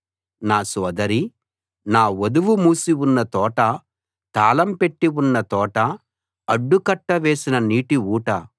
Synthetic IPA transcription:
naːsɔːd̪ɐɾi | naːod̪uʋumuːsiwunːɐt̪ɔːʈɐ | t̪aːlɐmpe̞ʈːiwunːɐt̪ɔːʈɐ | ɐɖːukɐʈːɐʋeːsinɐniːʈiuːʈɐ

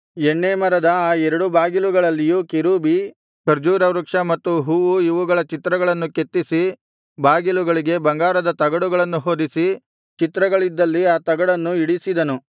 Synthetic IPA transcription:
eɳːeːmɐɾɐd̪ɐaːɛɾɐɽubaːɡiluɡɐɭɐlːijuːkeɾuːbi | kɐɾd͡ʒuːɾɐʋɾukʂɐmɐt̪ːuɦuːʋuiʋuɡɐɭɐt͡ʃit̪ɾɐɡɐɭɐnːuket̪ːisi | baːɡiluɡɐɭiɡe̞bɐŋɡaːɾɐd̪ɐt̪ɐɡɐɽuɡɐɭɐnːuɦo̞ːd̪isi | t͡ʃit̪ɾɐɡɐɭid̪ːɐlːiaːt̪ɐɡɐɽɐnːuiɽisid̪ɐnu

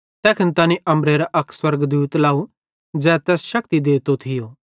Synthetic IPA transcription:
t̪ɛːkʰɪnt̪aːnĩʔɐ̃mɾeɾaʔɐkswɐɾɡd̪uːt̪laːu | d͡zɛːt̪ɛːsʃɐk̚t̪id̪eːt̪ot̪ʰɪjoː

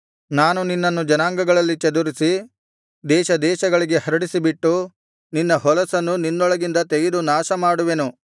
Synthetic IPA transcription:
naːnuninːɐnːud͡ʒɐnaːŋɡɐɡɐɭɐlːit͡ʃɐd̪uɾisi | d̪ɛːʃɐd̪ɛːʃɐɡɐɭiɡe̞hɐɾɐɽisibiʈːu | ninːɐɦɔlɐsɐnːuninːɔɭɐɡind̪ɐt̪eɡed̪unaːʃɐmaːɽuʋe̞nu

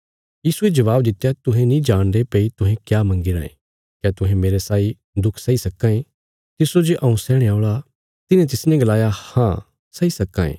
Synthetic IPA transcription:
jiːsued͡ʒɐʋaːbd̪ɪt̪ːejat̪ʊɦẽnĩd͡ʒaːɽ̃d̪epeːit̪ʊ̃ɦẽkjaːmɐ̃ŋɡiɾã̰ḛ̃ | kjat̪ʊɦẽmeːɾesaːi | d̪ʊkʰsɐisɐkːãːẽ | t̪ɪsod͡ʒeʔɐũsɛːɽ̃eaːʊɭa | t̪ɪnẽt̪ɪsnɛ̃ɡɐlaːjahã | sɐisɐkːã̰ːḛ̃ː

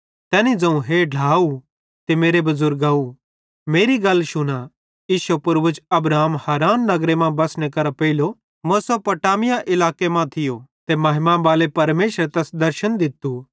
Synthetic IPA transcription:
t̪ɛːnĩd͡zɐ̃ũɦeɖʱlaːu | t̪emeːɾebɐzʊɾɡaːu | meːɾiɡɐlːʃʊna | iːʃɐpʊɾbʊd͡ʒɐbɾaːmhaːɾaːnːɐɡɾemãbɐsñekɐɾapɐɪlo | mosɐpɐʈaːmɪjaʔɪlaːkemãt̪ʰɪjot̪emɐɦɪmãbaːlepɐɾmeːʃəɾt̪ɛsd̪ɐɾʃənd̪ɪt̪ːu

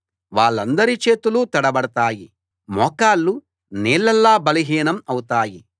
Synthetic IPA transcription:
ʋaːɭːɐnd̪ɐɾit͡ʃeːt̪ulut̪ɐɽɐbɐɽɐt̪aːji | mɔːkaːlːu | neːlːɐlːaːbɐliɦiːnɐmɐwut̪aːji

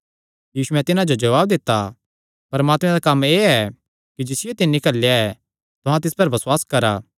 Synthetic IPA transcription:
jiːsuɛ̃t̪ɪnãd͡ʒod͡ʒɐʋaːb̚d̪ɪt̪ːa | pɐɾmaːt̪mɛ̃d̪akɐmeːɛ | kid͡ʒɪsɪjot̪ɪnːikɐlːejaɛ | t̪ʊɦãt̪ɪspɐɾbɐswaːskɐɾaː

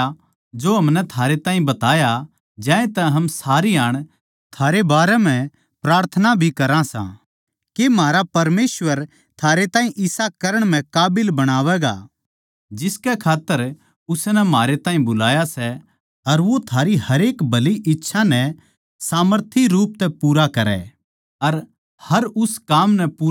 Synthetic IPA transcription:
d͡ʒoɦɐmnɛt̪ʰaːɾet̪ãːɦĩbɐt̪aːja | d͡ʒɛ̃ːẽt̪ɛɦɐmsaːɾiaːɽ̃ | t̪ʰaːɾebaːɾɛm̤ɛ̃ | pɾaːɾt̪ʰənabʱikɐɾãsã̰ | kemaːɾapɐɾmeːsʋəɾ | t̪ʰaːɾet̪ãːĩʔɪsakɐɾəɽ̃m̤ɛ̃kaːbɪlbɐɽ̃aːʋɛːɡa̰ː | d͡ʒɪskɛkʰaːt̪ːəɾ | ʊsnɛmaːɾet̪ãːĩbʊlaːjasɛ | ɐɾʋot̪ʰaːɾihɐɾeːkbʱɐliʔɪtːʃʰanɛ | saːməɾt̪ʰiɾuːp̚t̪ɛpuːɾakɐɾɛ̰ | ɐɾ | hɐɾʊskaːmnɛpuː

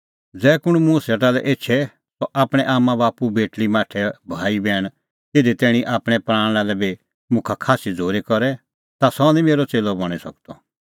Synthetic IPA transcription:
d͡zɛːkʊɽ̃mũsɛʈalɛʔeːt͡ʃʰɛ | sɔʔaːpɽ̃ɛʔaːmãbaːpubeːʈlimãːʈʰɛbʱaːibɛːɽ̃ | ed̪et̪ɛːɽ̃iʔaːpɽ̃ɛpɾãːɽ̃alɛbi | mʊ̃kʰakʰaːsid͡zʱoːɾekɔɾɛ | t̪asɔnĩmeːɾɔt͡seːlɔbɔɽ̃isɐ̰k̚d̪ɔ

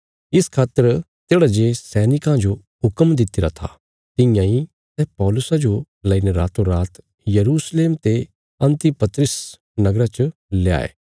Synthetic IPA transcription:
ɪskʰaːt̪ːəɾ | t̪eːɽad͡ʒeːsɛːnɪkãd͡ʒo | ɦʊkəmd̪ɪt̪ɪɾat̪ʰa̰ | t̪ɪ̃jãi | sɛpɔːlʊsad͡ʒo | lɐineɾa̰ːt̪oɾaːt̪ | jɐɾuːsleːmt̪e | ɐ̃nt̪ipɐt̪ɾəs | nɐɡɾat͡ʃ | leja̰ːḛː

